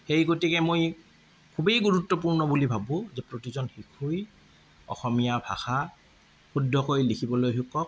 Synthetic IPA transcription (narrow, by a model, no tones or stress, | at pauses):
xejɡotikɛmoj | kʰubejɡuɹutːɔpuɹnɔbulibʱabʊ̃zɛpɹotizɔnxikʰuj | ɔ̰xɔmijabʱa̰xa | xudʱːɔkojlikʰibɔlojɦukːɔk̚